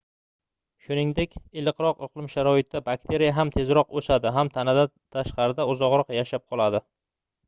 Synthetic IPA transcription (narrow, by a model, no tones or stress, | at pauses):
ʃʊnɪŋd̪e̞kʲɪlɨqɾɒqʊqlˠɪmʃaɾɒɪt̪̚d̪abakt̪ʰe̞ɾijaɦamt̪ʰe̞zɾɒqosad̪ɪɦamt̪ʰanad̪a | t̪ʰaʃqɑɾɪd̪aʊzɒʁɾɒqjaʃap̚qʰɒlˠad̪ɪ